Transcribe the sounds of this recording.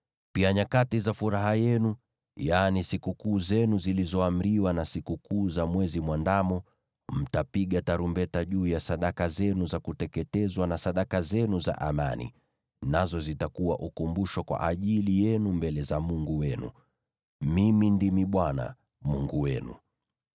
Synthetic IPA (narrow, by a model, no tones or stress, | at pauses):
piaɲakatizafuɾaɦajɛnu | jaːnisikukuːzɛnuzilizɔam̩ɾiwanasikukuːzamwɛzimwandamɔ | m̩tapiɠataɾumbɛtaʄuːjasaɗakazɛnuzakutɛkɛtɛzwanasaɗakazɛnuza̰ʔa̰ma̰nḭ | nazɔzitakuwa̰ʔukumbuʃwakwa̰ʔaʄilijɛnumbɛlɛzamuŋɡuwɛnṵ | mimindimiɓwana̰ | muŋɡuwɛ̰nṵ